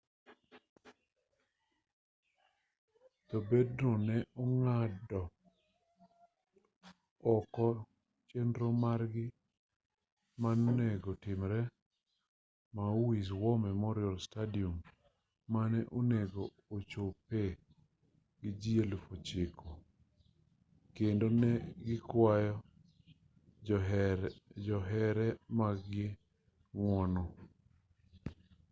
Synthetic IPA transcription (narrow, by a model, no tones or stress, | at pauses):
tɔbednɔnɛʔɔŋadɔ | ɔkɔ | t͡ʃendɾomaɾɡɪ | manoneɡotɪmɾɛ | mauwis̬wɔmɛmɔɾɪɔlstadiomː | anɛʔoneɡoːt͡ʃope | ɡɪd͡ʒielufot͡ʃɪkʰo | kendonɛɡɪkwajɔ | d͡ʒɔɦɛɾɛmaɡe | ŋwɔnɔ